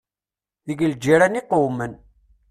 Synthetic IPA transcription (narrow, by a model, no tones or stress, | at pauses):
ðəɡəld͡ʒiɾæniqowmən